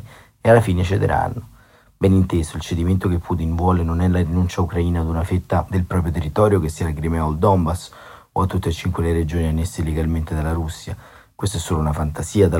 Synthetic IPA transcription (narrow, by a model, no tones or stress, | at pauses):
ealːafiːnet͡ʃed̪ḛɾa̰nːo | bɛnint̪eːsoilt͡ʃed̪iment̪okepʰːut̪invwɔːlenonɛlaɾinunt͡ʃaukɾaiːnaːd̪unafet̪ːad̪elpɾɔːp̬ɾjot̪erːit̪ɔːɾjokesːiːalakɾimɛod̪ɔmbas | oat̪ːut̪ːet͡ʃiŋkweleɾed͡ʒoːnianːesːelːeɡalment̪ed̪alaɾusːja | kwest̪oɛsːoːlounafant̪asiːad̪a